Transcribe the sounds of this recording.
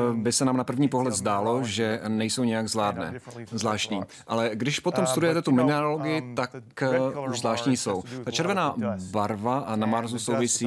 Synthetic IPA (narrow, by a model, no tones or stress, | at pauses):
bɪsɛnaːmnapr̩vɲiːpoɦlɛt̪zdaːlo̞ʒɛnɛjsowɲɛjaɡzvlaːdnɛ̰ːzlaːʃt̪ɲiː | ʔalɛɡdɪʃpo̞t̪omst̪udujɛt̪ɛt̪umɪnɛɾoloɡɪjɪt̪akuʒzlaːʃt̪ɲijso̞wt̪at͡ʃɛɾvɛnaːbaɾvanamaɾzuso̞wvɪsiː